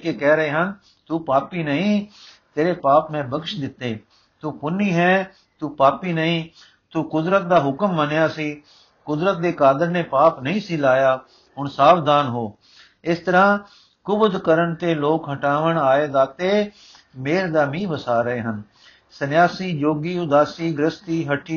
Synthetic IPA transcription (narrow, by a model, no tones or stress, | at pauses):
keːkɛːɾəɦeːɦən | t̪uːpaːpiːnəɦĩːt̪eːɾeːpaːpmɛ̃ːbəkʃd̪ɪt̪ːeː | t̪uːpʊniːɦɛː | t̪uːpaːpiːnəɦĩː | t̪uːkʊd̪ɾət̪̚d̪aːɦʊkəmːənjaːsiː | kʊd̪ɾət̪̚d̪eːkaːd̪əɾnẽːpaːpnəɦĩːsiːlaːjaː | ɦʊɳsaːʋd̪ʱaːnɦoː | ɪst̪əɾãː | kʊbd̪kəɾəɳt̪eːloːkɦəʈaːʋəɳaːeːzaːt̪eː | meːɾd̪aːmĩːbəsaːɾəɦeːɦən | sənjaːsiːd͡ʒoːɡiːʊd̪aːsiːɡɾəst̪iːɦəʈʰiː